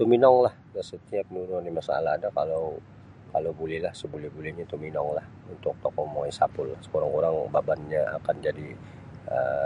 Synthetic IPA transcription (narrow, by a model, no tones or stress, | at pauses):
t̪uminɔŋlahdasət̪iap̚nuɾuŋndimasaa̰laɦadakalow | kalobulihlahsəbulihbuliɲat̪uminɔŋlah | unt̪ʊk̚t̪ɔk̚ɔmoisapʊlːasə̥koɾaŋkuɾaŋbabanɲaa̰kand͡ʒadi | ə̰